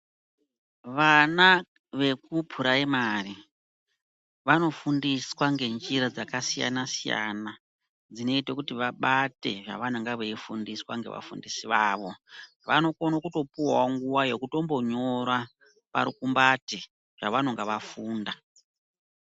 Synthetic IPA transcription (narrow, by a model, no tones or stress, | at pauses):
ʋana | ʋe̞kupʰuɾaimari | ʋano̞fundiswaŋɡe̞nd͡ʒiɾad͡zakasija̰nasija̰na | d͡zino̞itokutiʋaɓate̞ʐa̰ʋanaŋɡaʋeifundiswaŋɡe̞̰ʋa̰fundisiʋaːʋo̞ | ʋano̞konokuto̞puwaoŋɡuwaje̞kuto̞mbo̞ɲo̞ɾwa | pa̰ɾukumbati | ʐ̥aʋanoŋɡaʋafuːnda